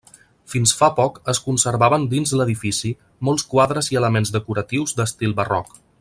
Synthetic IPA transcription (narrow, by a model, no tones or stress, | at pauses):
finsfapɔkəskunsəɾβaβənd̪inzləðifisi | mɔlˠskwaðɾəziələmenzðəkuɾət̪iwzd̪əst̪ilˠbərɔ̰k